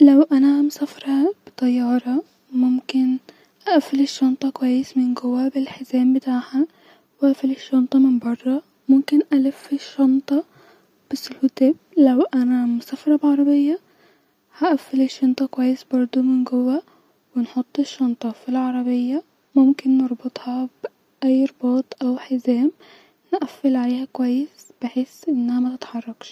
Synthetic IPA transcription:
lawʔanamsafɾˤɑb̥t̪ˤɑjːɑːɾˤɑ | mʊmkɪn | ʔaʔafːɪlɪʃːɑnt̪ˤɑkwajːɪsmɪnɡʊwːabɪlħɪzeːmbɪt̪aːħa | wʔafɪlɪʃːɑnt̪ˤɑmɪnbɑrˤːɑ | mʊmkɪnʔalɪfːɪʃːɑnt̪ˤɑ | b̥ɪsːɪlfʊt̪eːb̚lawʔanamʊsafɾˤɑbʕɑɾˤɑbɪjːa | haʔafːɪlɪʃːɑnt̪ˤɑkwajːɪsbɑɾˤd̪ˤʊmɪnɡʊwːa | wɪnħʊt̪ˤːɪʃːɑnt̪ˤɑfilʕɑɾˤɑbɪjːa | mʊmkɪnːɑɾˤbɨt̪ˤhɑb̥ | ʔajːɾboːt̪ˤʔawħɪzeːm | nʔafːɪlʕaleːhakwajːɪsb̥ɪħeːsʔɪnːhamat̪ɪt̪ħɑrˤːɑkʃ

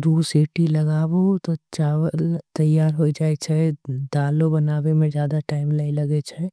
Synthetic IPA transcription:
ɾuːsiːʈilɐɡaːʋot̪ot͡ʃaːʋəlt̪ɐjːaːɾɦoːid͡ʒaːet͡ʃʰɛd̪aːlõbɐnaːwemẽd͡ʒjaːd̪aʈaːɪmlailɐɡet͡ʃʰɛ

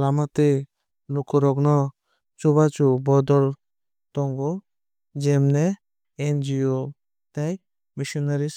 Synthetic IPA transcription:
lamat̪ɛ | lukʰɔɾɔknɔ | t͡ʃubat͡ʃubɔd̪ɔɾ | t̪ɔŋɡɔ | d͡ʒɛmnɛ | end͡ʒio | t̪aj | misɔnaɾis

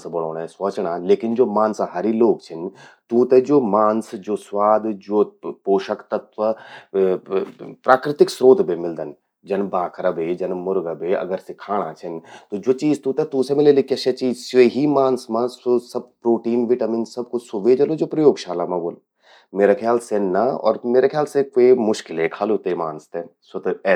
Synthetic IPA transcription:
sbɐɽ̃oːɽ̃ɛ̃sʋɐːt͡ʃɽ̃aleːkɪnd͡ʒoːmãːnsaɦaɾiloːɡt͡ʃʰɪnt̪ũːt̪ɛd͡ʒoːmaːnsd͡ʒoːsʋaːd̪ʱd͡ʒoːpoːʃəkt̪ɐt̪ʋɐ | pɾaːkɾɪt̪ɪksɾoːd̪ʱbʱemɪld̪ən | d͡ʒɐnbaːkʰɾəbed͡ʒɐnmʊɾɡəbeɐ̰ɡəɾsɪkʰaːɽ̃a̰t͡ʃʰɐnt̪od͡ʒoːt͡ʃiːzt̪uːt̪et̪ũːsemɪlelekɐʃɐt͡ʃiːzsʋeɦimaːnsmãssɐb̚pɾoːʈiːnʋɪʈamɪnsɐb̚kʊsoʋeːd͡ʒɐlod͡ʒoːpɾɐjoːɡʃaːlamãboːl | meːɾakʰjaːlsenɐɔ̰ːɾmeːɾekʰjaːlsekemʊʃkɪlekʰaːlot̪emaːnst̪eːsɐt̪ɛ

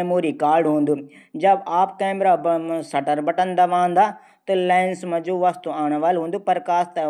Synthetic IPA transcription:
moːɾikaːɾɖɦũːnd̪uː | d͡ʒɐbaːpkeːmɾaːsɐʈəɾbɐʈənd̪aʋãːnd̪aː | t̪ɐlaːɪnsmɐ̃d͡ʒuːʋast̪uaːɽ̃ʋaːlɦũːnd̪upɐɾkaːst̪e

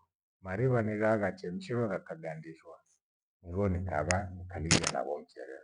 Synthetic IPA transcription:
maɾiβanizaɣat͡ʃɛm̩ʃɛβaɣakaɡandiʃwa | ŋɡɔnika̰βanikaliɡa̰na̰βɔm̩t͡ʃɛ̰ɾɛ̰

